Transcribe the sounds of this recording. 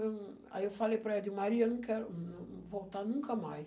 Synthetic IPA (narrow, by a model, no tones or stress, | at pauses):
a̰ɛwfalepɾɛd̪jumaɾiɐnũŋkɛɾuñvowt̪anũŋkɐmaj